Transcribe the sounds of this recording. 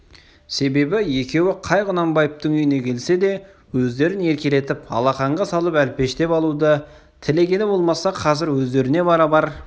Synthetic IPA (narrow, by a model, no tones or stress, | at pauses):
se̞be̞bɪje̞kʲe̞wɪqʰɑjʁʊnɑmbɑjəp̚t̪əɴʏjɪne̞kʲʰe̞lse̞d̪e̞ | wɵzd̪e̞ɾɪne̞ɾkʲele̞t̪ɪpɑ̰lˠɑχɑɴʁɑsɑlˠəpælpe̞ʃt̪e̞pɑlˠud̪ə | t̪ʰɪle̞kʲe̞nɪbo̞lˠmɑsɑqʰɑzɪɾwɵzd̪e̞ɾɪne̞bɑɾɑbɑɾ